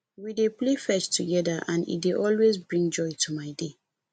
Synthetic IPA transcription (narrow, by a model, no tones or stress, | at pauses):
wideplefɛt͡ʃtʰuɡɛdaʔãnḭt̚deʔɔlwezbɹĩŋd͡ʒɔjtʰumaɪde